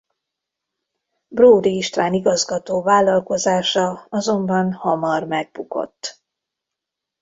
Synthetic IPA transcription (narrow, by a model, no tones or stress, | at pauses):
broːd̪iːʃt̪raːniɡɒzɡɒt̪oːvaːlːɒlko̞zaːʃɒɒzo̞mbɒnhɒmɒrmɛɡ̚buko̰t̪ː